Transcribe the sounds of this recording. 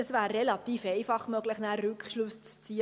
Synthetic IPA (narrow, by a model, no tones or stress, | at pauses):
əsvæːɾːelɑt̪iːfeɪfɑχmøɡləχnæːɾʉkʃlʊst͡st͡siːə